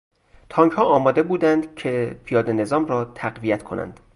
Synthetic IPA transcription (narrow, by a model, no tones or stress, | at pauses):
t̪ʰɒːŋkʰhɒːɒːmɒːd̪e̞buːd̪ænd̪cʰepʰijɒːd̪ene̞zɒːmrɒːt̪ʰæɣvijæt̪kʰo̞̰nʔæ̰nd̪̥